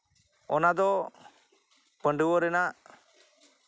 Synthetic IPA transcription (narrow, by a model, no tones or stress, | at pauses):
ɔnad̪ɔ | pəɳɖəwɔɾɛnaʔ